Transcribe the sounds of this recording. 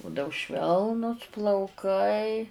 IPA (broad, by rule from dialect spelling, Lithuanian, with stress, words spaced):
ˈbʊdɐʊ ˈʃʲʋʲɛlˠnʊs plˠɐʊˈkɐɪ